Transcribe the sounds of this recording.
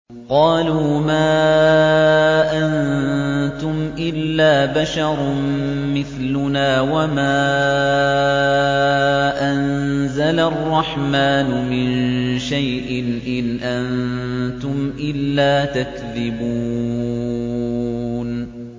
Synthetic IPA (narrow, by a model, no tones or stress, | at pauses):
qɑːluːmaː | ʔan | t̪ʊmʔɪlːaːbaʃɑɾˤm | mɪθlʊnaːwamaː | ʔanzalaʔɑrˤːɑħmaːnʊmɪnʃajʔɪnʔɪnʔannt̪ʊmʔɪlːaːt̪akðɪbuː | n